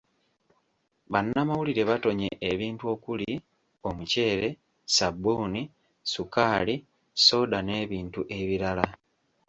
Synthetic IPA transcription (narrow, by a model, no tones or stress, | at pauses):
βanːamawuliɾe̞βato̞ɲe̞ʔːβiːntuwo̞ːkuli | o̞muce̞ːɾe̞ | sabːuni | sukaːli | so̞ːdane̞ːβiːntuʔe̞βiɾala